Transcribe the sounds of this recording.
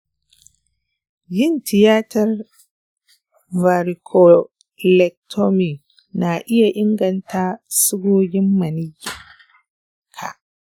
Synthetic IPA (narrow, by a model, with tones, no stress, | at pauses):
d͡ʒɪ˦ntʰɪ˨jaː˦tɐ˨r | vaː˨ɾi˨kʰo˨ | lɛ˨k̚tʰo˦mi˨k | na˨ʔɪ˦ja˨ʔɪ˦ŋɡɐ˨ntʰaː˦sʊ˦ɡʷoː˦ɡʲɪ˦mːɐ˨nɪ˦j | kʰa̰˨